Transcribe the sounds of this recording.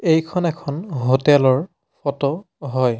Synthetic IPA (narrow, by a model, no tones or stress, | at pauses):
ejkʰɔnɛkʰɔnɦotɛlɔɹ | pʰɔtɔ | ɦɔj